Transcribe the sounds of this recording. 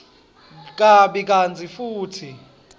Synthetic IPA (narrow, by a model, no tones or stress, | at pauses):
k̬ʼaɓɛk̬ʼand͡zʱʼifuːtʰi